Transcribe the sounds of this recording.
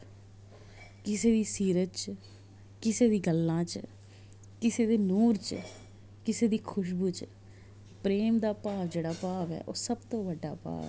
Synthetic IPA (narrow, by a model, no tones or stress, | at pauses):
kɪseːd̪iːsiːɾət̪̚t͡ʃ | kɪseːd̪iːɡəlːãːt͡ʃ | kɪseːd̪eːnuːɾt͡ʃ | kɪseːd̪iːkʰʊʃ̬buːt͡ʃ | pɾeːmd̪aːpaːʋd͡ʒeːɽaːpaːʋɛ̰ːʔo̰ːsəbt̪õːʋəɖːa̰ːpa̰ːʋɛ̰ː